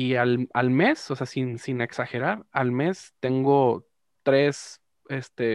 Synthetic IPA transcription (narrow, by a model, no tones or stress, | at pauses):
ialalme̞sose̞asinsine̞ksaxe̞ɾaɾalme̞st̪e̞ŋɡo̞ | t̪ɾe̞s | e̞st̪e